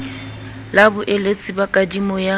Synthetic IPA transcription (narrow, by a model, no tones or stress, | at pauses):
labʊʔelet͡sʼɪbakʼadimɔja